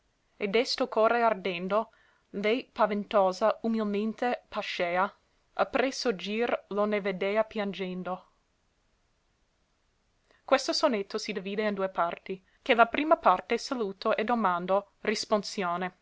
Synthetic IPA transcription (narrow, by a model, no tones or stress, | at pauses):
ed̪ɛst̪okoːreard̪end̪o | lɛjpavent̪oːzaumilment̪epaʃeːa | apɾesod͡ʒiːrloneved̪eːapjand͡ʒend̪o | kwest̪osonet̪ʰːosid̪eviːd̪eind̪uːepart̪i | kelapɾiːmapart̪esaluːt̪oʔed̪omand̪o | risponsjoːne